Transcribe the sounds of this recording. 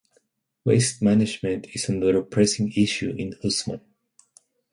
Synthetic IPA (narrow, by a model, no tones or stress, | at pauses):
weɪst̚mænɪd͡ʒmɨ̃ntʰɪsənəɾəpʰɹ̥ɛsɪ̃ŋɪʃuʔɪ̃nʊsmə̰̃n